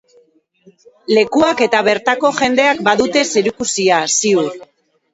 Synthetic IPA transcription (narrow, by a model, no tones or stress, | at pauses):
le̞kuake̞t̪aβe̞ɾt̪ako̞ʝe̞nd̪e̞akbaðut̪e̞seɾikusiasiu